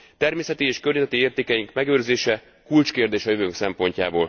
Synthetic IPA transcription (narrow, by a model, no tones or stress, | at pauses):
t̪ɛrmeːsɛt̪ieːʃkørɲɛzɛt̪ieːrt̪eːkɛjiŋkmɛɡøːrzeːʃɛ | kult͡ʃkeːrd̪eːʃɒjøvøːŋksɛmpo̞ɲca̰ːboːl